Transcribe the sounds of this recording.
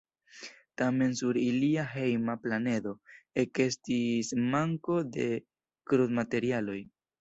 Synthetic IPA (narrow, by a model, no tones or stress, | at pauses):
tame̞nsuɾiliaɦe̞jmaplane̞do̞eke̞stismaŋko̞de̞ | kɾudmate̞ɾialo̞j